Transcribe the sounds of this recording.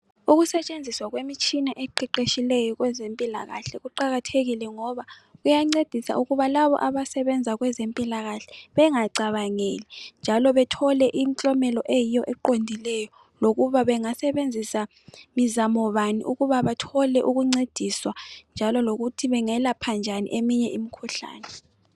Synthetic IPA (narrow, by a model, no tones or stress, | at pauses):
uɣusɛt͡ʃʼend͡zʱiswaɣwemit͡ʃʼʰinaʔɛǃiǃeʃilɛjɔɣwɛzempʼilaɣa̰ɬɛɣuǃaɣatʰeɣilɛŋɔβaɣujaŋ͡ǀed̥ʱisa̰ʔuɣuβalaβɔ̰ʔaβasɛβɛnd͡zʱaɣwɛzempʼilaɣaɬɛ̥βɛŋaǀaβaŋelɛnd͡ʒʱalɔβɛtʰɔlɛʔim̩t͡ɬʼɔmɛlɔʔejijɔʔɛǃondʱilɛjɔ | loɣuβaβɛŋasɛβend͡zʱisa | mizamɔβanḭʔuɣuβaβatʰɔlɛʔuɣuŋ͡ǀed̥ʱiswand͡ʒʱalɔloɣutʰiβɛŋɛlapʰand͡ʒʱanḭʔemiɲɛʔimikʰuɬa̰ːnɛ